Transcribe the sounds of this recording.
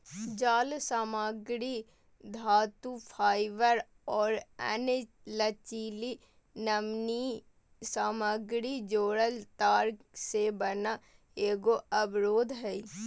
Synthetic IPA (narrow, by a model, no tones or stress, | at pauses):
d͡ʒaːlsaːmaːɡɾi | d̪ʱaːt̪upʰaːɪʋəɾ | ɔːɾɛ̰ːne | lət͡ʃiːli | nəmni | saːmaːɡɾid͡ʒoːɽəlt̪aːɾksebəna | eːɡoɐbɾoːd̪ʱɦɛi